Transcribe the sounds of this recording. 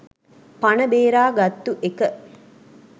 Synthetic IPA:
panəbeːɾaːɡɐt̪ːuʔekə

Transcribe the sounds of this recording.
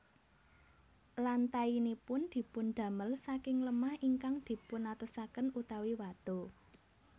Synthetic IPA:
lant̪ainipʊnd̪̥i̤pund̪̥ä̤məlsakɪŋləmahiŋkaŋd̪̥i̤pʊnat̪əsakənut̪awiwad̪̥o̤

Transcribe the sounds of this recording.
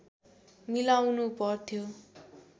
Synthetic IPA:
milawnupʌrt̪ʰjo

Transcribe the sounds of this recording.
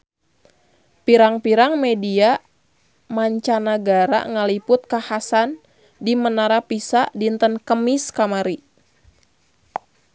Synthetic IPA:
piɾaŋpiɾaŋmɛdia | maɲt͡ʃanaɡaɾa̰ŋalipʊt̪̚kahasan | dimənaɾapisaʔdint̪ənkəmiskamaɾi

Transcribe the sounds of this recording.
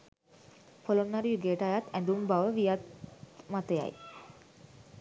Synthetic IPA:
polonnaɾijuɡeːʈajat̪ɛ̃nd̪umbaʋəʋijat̪mat̪eja̰j

